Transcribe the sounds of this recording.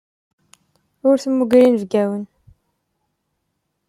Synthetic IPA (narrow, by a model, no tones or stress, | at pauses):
ʊɾθəmːuɡɾinəvɡæwən